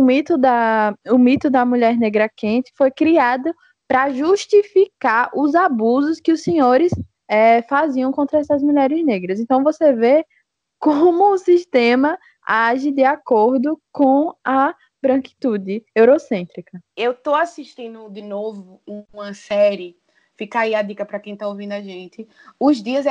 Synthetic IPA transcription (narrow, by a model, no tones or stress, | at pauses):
ʊmit̪ʊd̪ɐʊmit̪ʊd̪ɐmuʎɛɾneɡɾɐkẽt̪ɪ̥fojkɾiad̪ʊ | pɾɐʒuʃt̪ifikaɾʔʊzabuzʊskɪʊsẽɲoɾɪs | ɛfaziɐ̃w̃kõnt̪ɾɐɛsɐzmuʎɛɾɪzneɡɾɐzẽnt̪ɐ̃w̃voseve | kõmʊːsiʃt̪ẽmɐ | aʒɪd̪ɪakoɾd̪ʊkõɐ | bɾɐ̃ki̥t̪ud̪ɪewɾosẽnt̪ɾikɐewt̪oasiʃt̪ĩnd̪ʊd̪ɪnovʊũɐ̃sɛɾɪ | fikaiad̪ikɐpɾɐkẽj̃t̪aovĩnd̪ʊaʒẽt̪ɪ | ʊzd̪iɐz